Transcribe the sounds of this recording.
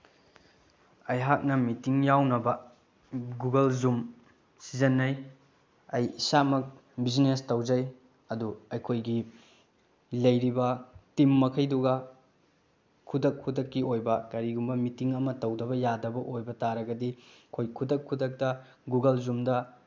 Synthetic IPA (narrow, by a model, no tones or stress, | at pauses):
ɐjɦak̚nɐmitiŋjawnɐbɐ | ɡuɡɐlzum | sizɐnːɐj | ɐjisamɐk̚biznestɐwd͡ʒɐj | ɐduɐjkʰojɡi | lɐjɾibɐtimːɐkʰɐjduɡɐ | kʰudɐkʰːudɐkːiojbɐkɐɾiɡumbɐmitiŋɐmɐtɐwdɐbɐjadɐbɐʔojbɐtaɾɐɡɐdikʰojkʰudɐkʰːudɐk̚tɐ | ɡuɡɐlzumdɐ